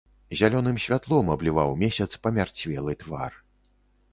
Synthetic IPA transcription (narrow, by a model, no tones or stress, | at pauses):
zʲalʲɔnɨmsʲvʲat̪lˠɔmɐblʲivawmʲɛsʲɐt̪spɐmʲart͡sʲvʲɛlˠɨt̪va̰r